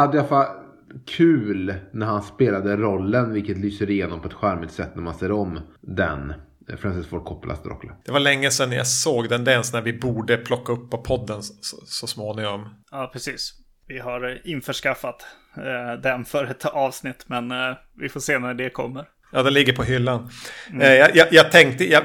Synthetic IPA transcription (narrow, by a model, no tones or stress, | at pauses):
had̪ːəjfa | kʰʉ̟ːlnæɾhanspeːlad̪əɾɔlːənvɪlkət̪lyːsəɾɪjeːnɔmpʰɔɛt̪ɧæɾmɪt̪sɛt̪ːnæɾmanseːɾɔmd̪ɛ̰n | fɾɛnsɪsfoːʈ̚kʰɔpːla̰st̪ɾɔ̰kːləd̪̥ɛvalɛŋːəsɛnːja̰soːɡd̪ɛnd̪ɛnsnæɾvɪbuːɖəpʰlɔkːaɵpːɔpʰːɔd̪ːənsɔsɔsmoːnɪŋɔmɑːpʰɾɛsiːs | vɪɦaɾɪnfœʂkafːat̪ | d̪ɛnfœɾɛt̪ɑːvsnɪt̪ːmɛn | vɪfoːʂeːnæɖɛkʰɔ̰mːəɾ | jɑːd̪ɛnlɪɡːəɾpʰɔɦʏlːan | jɑjɑjɑːɡt̪ʰɛŋk̚t̪əjɑ